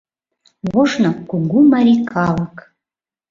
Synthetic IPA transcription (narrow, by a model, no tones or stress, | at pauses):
βoʃnokuɡumaɾʲikɑlɤk